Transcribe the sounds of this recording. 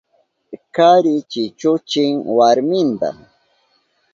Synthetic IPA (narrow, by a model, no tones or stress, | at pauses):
kaɾɪt͡ʃɪt͡ʃʊt͡ʃɪŋwaɾmɪnt̪a̰